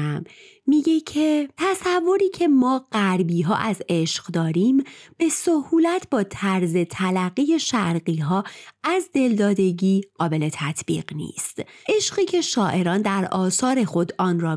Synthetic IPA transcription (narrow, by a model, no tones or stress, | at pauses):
mː | iɟecʰet̪ʰæsævːo̞ɾiːcʰe̞mɒːɢ̥æɾbiːɦɒ̰ːʔæze̞ʃɢ̥d̪ɒːɾiːmb̥e̞sohuːlæt̪ʰbɒːt̪ʰæɾze̞t̪ʰælæɣiːje̞ʃæɾɢiːɦɒːæzd̪e̞ld̪ɒːd̪e̞ɟiːɢ̥ɒːbe̞le̞t̪ʰæt̪ʰb̥ḭːɢnḭːst̪ʔe̞ʃɢiːcʰe̞ʃɒːʔe̞ɾɒːnd̪æɾʔɒːsɒːɾe̞xo̞d̪ʔɒːnɾɒː